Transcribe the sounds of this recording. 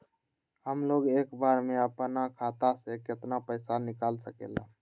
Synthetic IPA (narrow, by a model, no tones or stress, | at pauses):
ɦəmloːɡeːkbaːɾmẽəpnakʰaːt̪asekɪt̪napəɪsanɪkaːlsəkḛːla̰